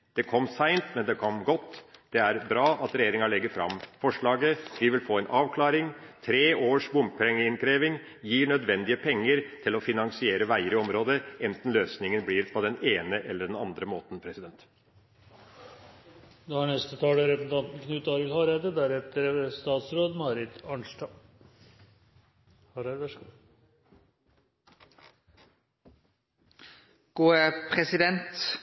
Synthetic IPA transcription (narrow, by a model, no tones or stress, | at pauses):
d̪̥ɛkʰɔmːsæɪnt̪mɛnd̪ɛkʰɔmɡɔt̪ːd̪̥ɛæɾbɾɑːʔɑt̪ɾɛjeːɾɪŋɑɭɛɡːəɾfɾɑ̰mfɔʂɭɑːɡəʋɪʋɪlfoːɛnʔɑːʋkʰlɑːɾɪŋt̪ʰɾeːʔoːʂbʊmpʰɛŋːəɪnkɾeːʋɪŋ | jiːɳœd̪ʋɛnd̪ɪəpʰɛŋːəɾt̪ʰɪlɔfɪnɑŋsɪeːɾəʋæɪəɾɪɔmɾoːd̪əɛnt̪n̩løːsnɪŋənbliːɾpʰɔd̪ɛneːnəʔɛlːəɖɛnɑnd̪ɾəmoːt̪n̩pʰɾɛsɪd̪ɛnt̪ | d̪ohɑɳɛst̪ət̪ʰɑːləɾɛpsn̩t̪ɑnt̪n̩kʰnʉːt̪ɑːɾət̪hɑːɾɛd̪əd̪æɾɛt̪əɾst̪ɑːt̪sɾoːd̪mɑːɾɪt̪ɑɳnʂʈɑː | hɑɾæʋæʂɡu | ɡ̥uːəpʰɾɛsɪd̪ɛnt̪